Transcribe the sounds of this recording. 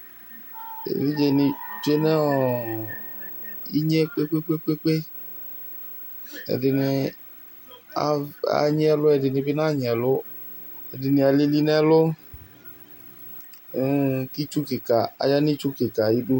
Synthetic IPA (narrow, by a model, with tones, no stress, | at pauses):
ḛ˨vi˦d͡ʒe˧nĩ˧d͡ʒe˦nɛ˦ɔ˨ | i˦ɲe˦k͡pe˦k͡pe˦k͡pe˦k͡pe˦k͡pe˦ | ɛ̰˨dɪ˨ne˧ | a˨a̰˨ɲ˦ɛ˦lʊ˦ɛ˨dɪ˨nĩ˧bi˦nã˦˨ɲɛ˨lʊ˦ | ɛ˨dɪ˨nĩ˧a˨li˦li˦nɛ˦lo˦˨ | u˦ki˦t͡ʃu˦ke˨ka˨a̰˨˦ja˦nĩ˦t͡ʃu˦ke˨ka˨ji˦du˦